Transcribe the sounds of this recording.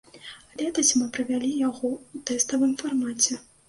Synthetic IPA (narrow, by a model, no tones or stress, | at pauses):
alʲɛt̪ɐsʲmɨpɾɨvʲalʲijaɣɔut̪ɛst̪ɐvɨmfarmat͡sʲɛ